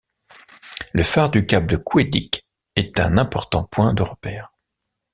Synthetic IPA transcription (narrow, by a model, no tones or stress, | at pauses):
ləfaʁd̪ykap̚d̪əkwed̪ḭk | ɛt̪ɛ̰̃nɛ̃pɔʁt̪ɑ̰̃pwɛ̃d̪əʁəpɛːʁ